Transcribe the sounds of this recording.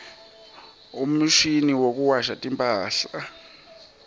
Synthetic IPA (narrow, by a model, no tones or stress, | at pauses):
um̩ʃiniwok̬uwaʃatʼimpʼaːɬa